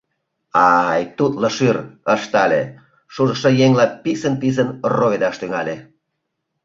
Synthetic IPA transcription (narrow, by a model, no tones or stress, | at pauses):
ɑjt̪ut̪ləʃyrəʃt̪ɑlʲḛ | ʃuʒə̆ʃəjeŋlɑpisənpis̬ənroed̪ɑʃt̪yŋɑlʲe